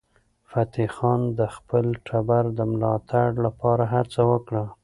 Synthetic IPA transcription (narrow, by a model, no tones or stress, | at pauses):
fat̪ixɑnd̪əxpəlʈʰabaɾd̪əmlɑt̪aɽlapɑɾaɦat͡sawəkɽa